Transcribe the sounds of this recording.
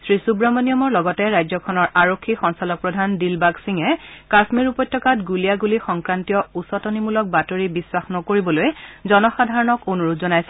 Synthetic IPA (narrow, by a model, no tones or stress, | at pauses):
sɹisubɹɔmɔnijɔmɔɹlɔɡɔtɛɹajzɔkʰɔnɔɹaɹokʰːixɔŋsalɔk̚pɹɔdʱandilbaksiŋɛkasmiɹupɔtʰːɔkatɡulijaɡulixɔŋkɹantijɔusɔtɔnimulɔk̚batoɹibiswaxnɔkoɹibɔlojzɔnɔxadʱaɹɔnɔkonuɹutʰzɔnajsɛ